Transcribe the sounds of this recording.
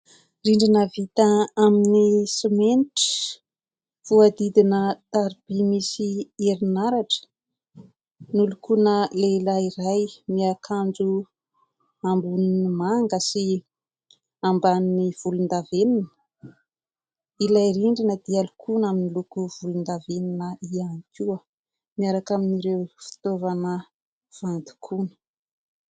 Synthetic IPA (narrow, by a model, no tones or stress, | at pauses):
riɳɖ͡ʐinəvit̪əaminisimenti̥ | v̥uad̪id̪inət̪aɾib̥imisieɾinaɾaʈ͡ʂə̥ | nulukunəlelairajmiakʰand͡zu | ambuninimaŋɡəsi | ambaniv̥ulund̪aveninə̥ | ilaiɾiɳɖ͡ʐinəd̪ialukʰunaminilukuv̥ulund̪aveninəianikuə | miaɾakaminiɾewfi̥t̪ovanə | v̥and̪u̥kʰunə̥